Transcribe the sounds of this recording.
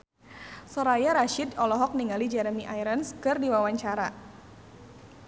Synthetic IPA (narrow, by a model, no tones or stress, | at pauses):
sɔɾajaɾaʃɪdɔlɔɦɔk̚niŋalid͡ʒɛɾəmiʔajɾənskɨrdiwawaɲt͡ʃaɾa